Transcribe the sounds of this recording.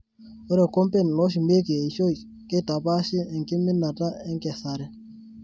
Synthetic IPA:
o˦ɾɛ˨kɔ˦mpe˦n˨lɔ˦ʃ̬i˨me˦ke˨e˨i˨ʃo˦i˨ | ke˦ta˨pa˦ʃi˦ɛ˨ŋki˦mɪ˦na˨ta˦ɛ˦ŋkɛ˨sa˨ɾɛ˦

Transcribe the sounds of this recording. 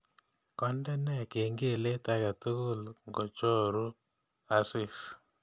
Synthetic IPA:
kɔ˦ndɛ˦nɛ˦˨ke˨ŋɡe˦˨le˦ta˦ka˨tu˦kʊ˦˨lŋɡo˨t͡ʃo˦ɾu˦ | a˦sɪ˦˨s

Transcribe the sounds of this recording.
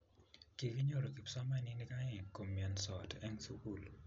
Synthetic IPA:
ki˨ki˦ɲo˦ɾo˨ki˨psɔ˦ma˦ni˦ni˦ka˦ŋɛ˨ko˨mːiɛ˨nsɔ˨tɛ˦ŋsu˦ku˦˨l

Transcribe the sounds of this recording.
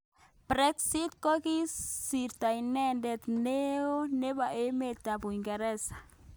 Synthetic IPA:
pɾe˦ksi˦t̪̚ko˦ɡi˦ssi˨ɾt̪a˨jne˦nd̪e˧t̪ne˦o˦ne˦ba˨ʔe˦me˧t̪a˨bu˨jŋɡa˨ɾe˦sḁ˨

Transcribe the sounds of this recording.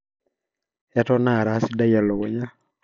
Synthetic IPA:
ɛ˦tɔ˦na˦˨ɾa˨˦si˦da˦ja˨lɔ˨o˨ɲa˦

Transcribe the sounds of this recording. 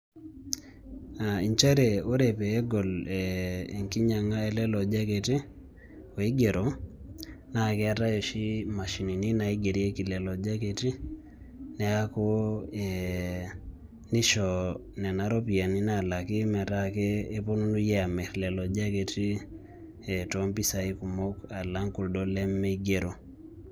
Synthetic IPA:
a˨i˨ɲt͡ʃa˦ɾe˨o˦ɾɛ˨pɛː˨˦ɡɔ˨lɛ˨e˨ŋki˦ɲa˨ŋa˦ɛ˦lɛ˦lɔ˨d͡ʒa˦ke˨ti˦ | o˨i˦ɡe˨ɾo˨ | na˦˨kɛ˦a˦ta˦jɔ˨ʃi˦ma˨ʃi˨ni˨ni˦na˨i˦ɡe˨ɾje˦ki˨lɛ˨lɔ˨d͡ʒa˦ke˨ti˦ | nɛ˦a˦ko˦ɛ | ni˦ʃɔ˨ | nɛ˨na˨ɾɔ˦pi˨a˨ni˦na˨la˨ki˦mɛ˨ɾa˦kɛː˦pɔ˦nu˦nu˦jɛ˦a˨mɛ˨ɾlɛ˨lɔ˨d͡ʒa˦ke˨ti˦ | ɛ˨tɔmpi˦sa˨i˦ku˨mo˦ka˨la˦ŋku˨ldɔ˦lɛ˦mːɛ˦i˦ɡe˨ɾo˨

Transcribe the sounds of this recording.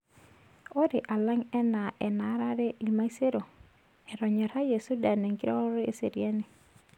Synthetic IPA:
o˦ɾe˨ʔa˨la˦ŋɛ˦na˨ʔɛ˨na˨˦ɾa˦ɾe˦ʔi˨ma˦i˦se˦ɾo˨ | ɛ˨ɾɔ˨ɲɔ˨ɾa˦je˨su˦da˨ne˨ŋki˦ɾɔ˦ɾe˦se˨ɾja˦ni˨

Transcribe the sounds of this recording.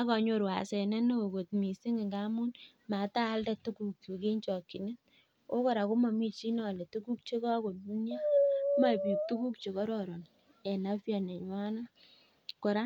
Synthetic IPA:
a˦kɔ˨ɲo˦ɾwa̰˨sɛ˨nɛ˦no˦˨ko˨tmi˨si˦ŋe˨ŋɡa˦mu˦n | ma˨˦taː˦ldɛ˦tu˦ku˨k̚tu˨ke˦ɲt͡ʃɔ˨kːi˨ne˦n | o˦kɔ˨ɾa˨ko˦ma˨mi˦t͡ʃi˦nɔ˦˨lɛ˨tu˦ku˦k̚t͡ʃe˦kɔ˦ko˨ti˦ɲa˦ma˦˨pu˨k̚tu˦ku˦k̚t͡ʃe˨kɔ˦ɾɔ˦˨ɾɔ˨n | ɛ˨na˦pja˨ne˨ɲ˨wa˦na˦ | kɔ˨ɾa˦

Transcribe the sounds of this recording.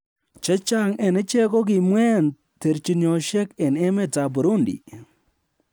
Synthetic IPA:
t͡ʃe˦t͡ʃa˦ŋɛ˨nɪ˦t͡ʃɛ˦kɔ˦k̬i˨mwɛ˦n | te˨ɾt͡ʃi˨njɔ˨ʃɛ˦kɛ˨nɛ˦me˦ta˨bu˨ɾu˦ndḭ˨

